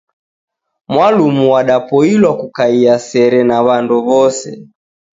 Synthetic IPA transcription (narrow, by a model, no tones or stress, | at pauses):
mwalumuwaɗapɔilwakukaiasɛɾɛnaβanduβɔsɛ̰